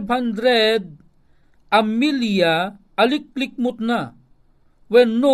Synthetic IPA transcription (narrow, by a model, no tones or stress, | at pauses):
bʱɐnd̪ɾɛd̪̚ | ɐmːilija | ɐlik̚ːlik̚mut̪na | wenːo